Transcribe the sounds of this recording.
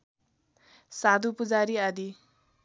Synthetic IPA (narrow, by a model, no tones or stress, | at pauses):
sad̪ʱupud͡zaɾiad̪i